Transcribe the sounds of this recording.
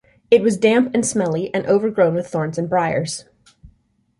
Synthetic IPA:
ɨt̚wʌzdæ̃mpɨ̃nsmɛlˠiʔɨ̃nʔoʊvə˞ɡɹõʊ̃nwɨð̥θɔɹnzɨ̃nbɹaɪə̰˞z̥

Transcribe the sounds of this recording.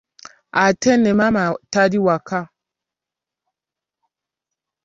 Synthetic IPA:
atɛnɛmamatadiwaka

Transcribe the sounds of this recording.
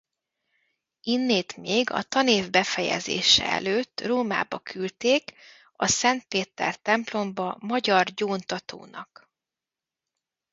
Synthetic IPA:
inːeːt̪meːɡɒ̰t̪ɒneːvbɛfɛjɛ̰zḛːʃɛ̰ɛ̰løːt̪ːroːma̰ːbɒkʰylt̪eːk | ɒsɛnt̪̚peːt̪ɛ̰rt̪ɛmplo̞mbɒmɒɟɒrɟoːnt̪ɒt̪o̰ːnɒ̰k

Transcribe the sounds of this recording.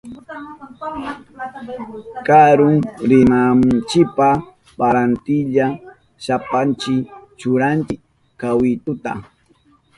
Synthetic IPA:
kaɾʊŋɾɪnamnt͡ʃɪpa | baɾant̪ɪʎa | ʃapant͡ʃɪt͡ʃʊɾant͡ʃɪk | kawɪt̪ʊt̪a̰

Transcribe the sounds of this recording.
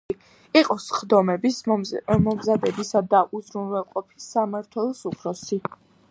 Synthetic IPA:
iqʼɔsχd̪ɔmɛbismɔmzad̪ɛbisad̪aʔuzɾunwɛlˠqʼɔpʰi̥samaɾt̪ʰwɛlˠɔsupʰɾɔsi

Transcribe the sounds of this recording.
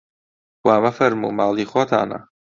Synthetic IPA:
waːmɐfɐɾmṵːmaːlˠiːxat̪ʰa̰ːnɐ̰

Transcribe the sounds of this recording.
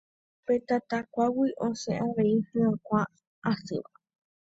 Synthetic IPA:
pet̪at̪akʷawiʔõseʔaʋeihɨ̃ãkʷaː | sɨ̰ʋa

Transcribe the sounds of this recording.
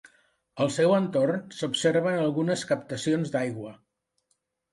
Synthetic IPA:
əlˠsɛwənt̪ornsupseɾβənəlˠɣunəskəp̚t̪əsionzd̪ajɣwə

